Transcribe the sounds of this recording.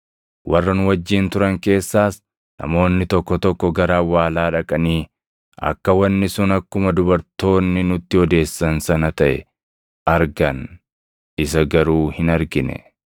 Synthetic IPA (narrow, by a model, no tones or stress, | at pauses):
wʔɐrːɐnʊwɐd͡ʒːiːnt̪ʊɾɐŋke̞ːsːaːs | nɐ̰mo̞ːnːɪt̪ɔkːɔt̪ɔkːɔɡɐɾaːwaːlaːᶑɐkʼɐniː | ʔɐ̰kːɐwɐnːɪsʊnɐkːʊmɐd̪ʊbɐɾt̪o̞ːnːɪnʊt̪ːɪhɔd̪e̞ːsːɐnsɐnɐt̪ɐʔɛ̰ | ɐɾɡɐn | ɪsɐɡɐɾuːhɪnɐɾɡɪnɛ̰